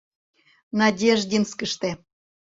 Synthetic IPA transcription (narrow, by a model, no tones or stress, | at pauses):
nɑdʲeʒdʲinskəʃt̪e